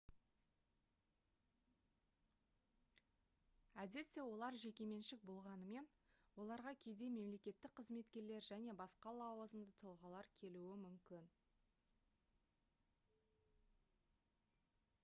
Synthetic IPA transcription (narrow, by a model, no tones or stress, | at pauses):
æd̪e̞t̪sːe̞wo̞lˠɑɾʒe̞kʲe̞me̞nʃɪk̚bo̞lˠʁɑnəme̞n | wo̞lˠɑɾʁɑkʲʰe̞jd̪e̞me̞mle̞kʲe̞t̪ːɪk̚qʰəzme̞t̪kʲe̞ɾle̞ɾʒæne̞bɑsqɑlˠɑwəzəmd̪ət̪ʰəlˠʁɑlˠɑɾkʲʰe̞luɪmʏmkʲɪn